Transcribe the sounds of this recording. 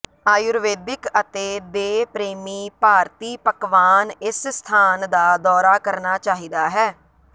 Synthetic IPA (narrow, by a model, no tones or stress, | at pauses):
aːjʊɾʋeːd̪ɪkət̪eːd̪eːpɾeːmiːpaːɾt̪iːpəkʋaːnɪsst̪ʰaːnd̪aːd̪ɔːɾaːkəɾnaːt͡ʃaːɦiːd̪aːɦɛː